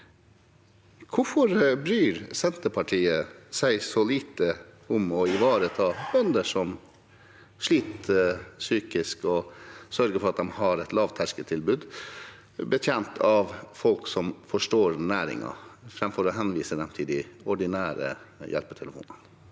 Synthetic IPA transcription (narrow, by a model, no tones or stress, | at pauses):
kʰʊfɔɾbɾyːɾsɛnt̪əpʰɑʈʰiːəsæɪsɔliːt̪ə | ʊmɔɪʋɑːɾət̪ʰɑːbœnd̪əʂɔm | ʂɭiːt̪syːkɪskɔsœɾɡəɾfɔɾɑt̪̚d̪ɛmhɑɾɛt̪lɑːʋt̪ʰæʂkət̪ʰɪlbʉːd̪ | bət̪ʰjɛnt̪ʰɑʋfɔlksɔmfɔʂʈoːɾnæːɾɪ̰ŋɑ̰fɾɛmfɔɾɔɦɛnʋiːsəd̪ɛmt̪ʰɪld̪ɪɔɖɪnæːɾə̰jɛ̰lpət̪ʰɛləfṵːnən